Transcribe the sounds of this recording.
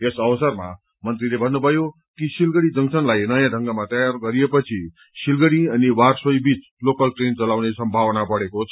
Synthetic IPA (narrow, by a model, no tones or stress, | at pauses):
esʌwʌsʌrma̰ | mʌnt̪rilebʱʌnːubʱʌjo | kisilɡʌɽid͡zʌŋsʌnlajnʌjãɖʱʌŋɡamat̪ʌjarɡʌɾijepʌt͡sʰi | silɡʌɽiʌniwarswʌjbit͡s | lokʌlʈrent͡sʌlawnesʌmbʱawʌnapʌɽekot͡sʰ